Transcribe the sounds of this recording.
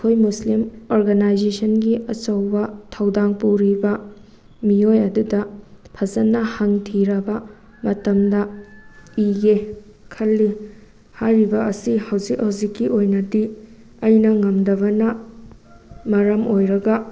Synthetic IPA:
kʰojmuslimoɾɡɐnajzesʰɐnɡiɐt͡ʃɐwbɐtʰɐwdaŋpuɾibɐ | miojɐdudɐpʰɐzɐnːɐhɐŋtʰiɾɐbɐ | mɐtɐmdɐ | iɡe | kʰɐlːi | hajɾibɐɐsihɐwzikhɐwzikːiʔojnɐdi | ɐjnɐŋɐmdɐbɐnɐ | mɐɾɐmojɾɐɡɐ

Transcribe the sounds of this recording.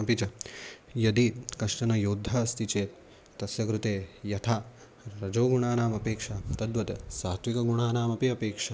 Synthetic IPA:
ɐpit͡ʃɐjɐd̪ikɐʂʈɐnɐjoːd̪ʱːɐst̪it͡ʃeːt̪ | t̪ɐsjɐkɾut̪eːjɐt̪ʰaː | ɾɐd͡ʒoːɡuɳaːnaːmɐpeːkʂɐt̪ɐd̪ʋɐt̪ɐsaːt̪ʋikɐɡuɳaːnaːmɐpiɐpeːkʂɐ

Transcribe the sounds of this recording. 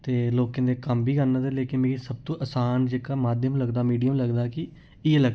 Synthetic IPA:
t̪eːloːkẽːd̪eːkəmbʱiːkəɾnaːt̪eːleːkɪnmẽːsəb̚t̪õːʔəsaːnd͡ʒeːkaːmaːd̪ʱjəmləɡd̪aːmiːɖijəmləɡd̪aːkɪ | ɪeləɡ

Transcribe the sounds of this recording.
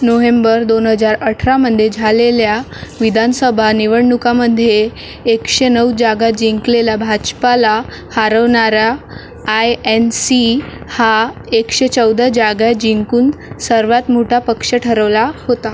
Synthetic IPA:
noʋembəɾd̪onɦəd͡zaɾəʈʰɾaməd̪ʱjed͡zʱaleljaʋid̪ʱansəbʱaniʋəɽɳukaməd̪ʱːjeː | kʂenəwd͡ʑaɡad͡ʑiŋklelabʱad͡ʑpala | haɾəʋɳaɾaː | jensi | ha | ekɕet͡səwd̪ʱəd͡ʑaɡjad͡ʑiŋkuːnsəɾʋat̪m̤oʈʰapəkʂəʈʰəɾəʋlahot̪a

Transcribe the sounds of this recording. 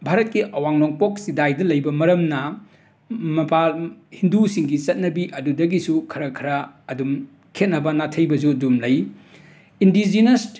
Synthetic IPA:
bʱaɾɐt̚kiʔɐwaŋnoŋpok̚sidajdɐlɐjbɐmɐɾɐmnɐ | mɐpalhindusiŋɡit͡ʃɐt̚nɐbiʔɐdudɐɡisukʰɐɾɐkʰɐɾɐːdum | kʰet̚nɐbɐnatʰɐjbɐz̬udumlɐj | indid͡ʒines

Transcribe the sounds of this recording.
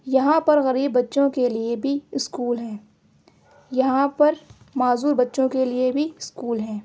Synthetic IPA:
jɐɦãpɐɾɣɐɾiːbːɐtːʃõkeliebʱiɪskuːlɦɛ̃ː | jɐɦãpɐɾ | maːzuːɾbɐtːʃõkeliebʱiɪskuːlɦɛ̃ː

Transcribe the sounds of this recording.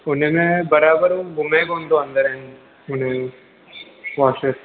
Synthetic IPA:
ʊnemẽbɐɾaːbəɾõɡʱʊmẽkoːnd̪oɐ̃nd̪əɾɦɛ̃n | ʊn̤ẽ | ʋaːt͡ʃes

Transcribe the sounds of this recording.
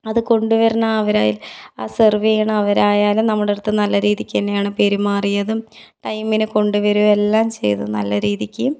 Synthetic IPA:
ɐðɨko̞ɳɖuʋɐɾɐnaɐʋɐɾaːjilaːserʋejɐɳɐɐʋɐɾaːjaːlumnɐmːuɽeɽɨt̪ːɨnɐlːɐɾiːðikʲːenːɐjaːɳɨpe̞ɾimaːrijɐðɨʈɐjmːinɨko̞ɳɖuʋɐɾuʋe̞lːaːmt͡ɕe̞̰jt̪ṵnɐ̰lːɐɾiːðikʲːɨ

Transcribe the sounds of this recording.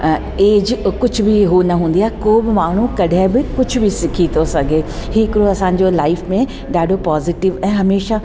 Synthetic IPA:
eːd͡ʑkʊd͡ʑʱbɪɦunɐɦũːn̆d̪ijaːɦekoːbɪmaːɳ̤ũkɐɗʱãbɪkʊd͡ʑʱʊbʱɪsɪkʰit̪ʰosɐɡʱeːhɪkɾoɐsãːɲ̆d͡ʑoːlaːɪfmẽ | ɗaːɖʱopaːziːʈɪʋɛ̃ːɦɐmeːʃa

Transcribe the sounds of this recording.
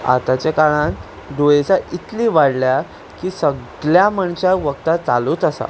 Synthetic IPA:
a̰t̪at͡ɕakaɭãn | ɖ̪ojet͡saʔit̪liːʋaɽlja | kiːsəɡ | ɭjaməɳt͡ɕaʋəkt̪at͡saluːt̪əsa̰

